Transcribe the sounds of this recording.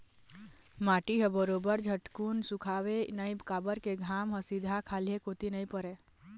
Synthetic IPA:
mãːʈiɦəbəɾoːbəɾd͡ʒʱəʈkuːnsukʰaʋenəjbkaːbəɾkeɡʱaːmɦəsid̪ʱakʰaːliekot̪inəĩpəɾe

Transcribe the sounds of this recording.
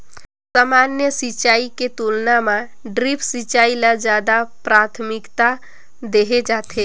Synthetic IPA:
saːmaːnjəsit͡ʃaːiket̪ulnamã | ɖɾipʰsit͡ʃaːilad͡ʒjaːd̪apɾaːt̪ʰmɪkt̪a | d̪eɦed͡ʒaːt̪ʰe

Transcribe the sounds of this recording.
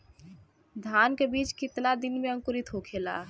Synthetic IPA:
d̪ʱaːnkebiːt͡ʃkɪt̪nad̪ɪnmẽə̃ŋkʊɾɪt̪ɦokʰeːla̰ː

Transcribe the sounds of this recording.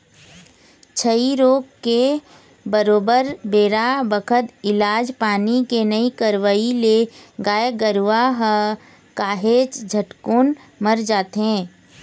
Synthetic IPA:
t͡ʃʰəiɾoːɡ̚ke | bəɾoːbəɾbeːɾabəkʰət̪ɪlaːd͡ʒpaːnikenəikəɾʋəileɡaːjəɡəɾʋaɦ | kaːɦeːt͡ʃd͡ʒʱəʈkuːn | məɾd͡ʒaːt̪ɦɛ̃ː

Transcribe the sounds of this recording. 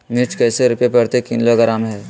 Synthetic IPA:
mɪt͡ʃkɛːseɾʊpepɐɽt̪ekɪnloɡɐɾaːmɦɛː

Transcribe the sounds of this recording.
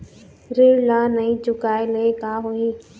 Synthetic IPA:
ɾeːɽlãːnɐĩt͡ʃʊkaːeləekaːɦoiː

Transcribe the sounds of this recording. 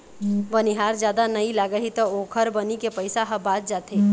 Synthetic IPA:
ʋɐniɦaːɾd͡ʒjaːd̪anɐilaːɡəɦit̪ooːkʰəɾbɐnikepəɪsaɦɐbaːt̪̚d͡ʒaːt̪eː

